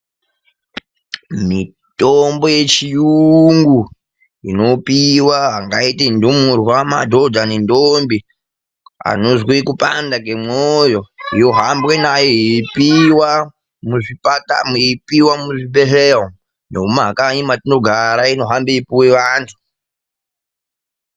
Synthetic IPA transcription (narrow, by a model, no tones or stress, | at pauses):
mi | tombo̞je̞t͡ʃijuŋɡu | ino̞piwaɦaŋɡaitindumurwamadʱo̞d͡zanendombi | a̰nozwekupandaɡemojo̞ijo̞ɦambwenajepiwa | muʐipata̰mipiwamuʐibeɦeɦo | noumakaɲimatinoɡʱaɾaino̞ɦambeipuweʋaːntʰu̥